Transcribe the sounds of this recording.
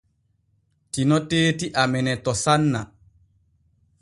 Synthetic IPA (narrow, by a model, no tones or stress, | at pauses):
tinɔteːtiʔamɛnɛtɔsanːa̰